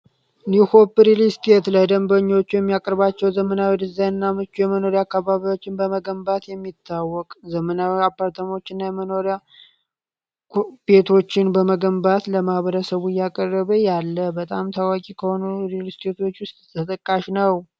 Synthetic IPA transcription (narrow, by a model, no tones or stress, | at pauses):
niho̞pːɾilist̪ʰet̪ləd̪əmbəɲːo̞t͡ʃːujɛmːijakʼəɾbat͡ʃːɛwzəmənawid̪ɨzːajɨnːamɨt͡ʃːujɛməno̞ɾiakːaβaβio̞t͡ʃːɪnbəməɡəmbat̪jɛmːit̪ʰːawːɔkʼzəmənawapːaɾt̪ʰəmo̞t͡ʃːɪnːajɛməno̞ɾja | kʰbe̞t̪ʰo̞t͡ʃːɪnbəməɡəmbat̪ləmahβəɾəsəβujakʼərːəβəjalːəbət̪ʼamt̪ʰawakʼikʰəho̞nuɾilist̪ʰet̪o̞t͡ʃːwʊst̪ʼt̪ʰət̪ʼəkʼːaʃnəw